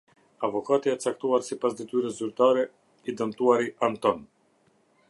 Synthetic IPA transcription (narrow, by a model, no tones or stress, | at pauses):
avɔkat̪iaɛt͡sak̚t̪uaɾsipasd̪it̪yɾəzyɾt̪aɾɛ | id̪əmt̪uaɾiʔant̪ɔn